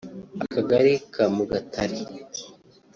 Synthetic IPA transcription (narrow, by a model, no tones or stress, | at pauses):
akaɡaɾikʰamuɡatʰaɾi